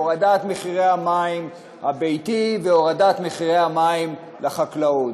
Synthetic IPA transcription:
oʁadat̪meχiʁejhamaim | habejtiveoʁadat̪meχiʁehamaim | leχaklaod

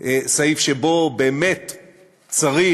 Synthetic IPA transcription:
ʔsaifʃebobeːmet | t͡saʁi

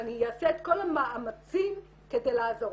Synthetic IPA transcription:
anijaːseet̪̚ko̞lhamaʔamat͡sim | ked̪ejlaazo̞

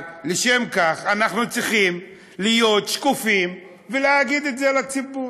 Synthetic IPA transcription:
leʃemkaχanaχnut͡sʁiχim | lijo̞t̪ʃkufim | veleaɡid̪etzelat͡sibu

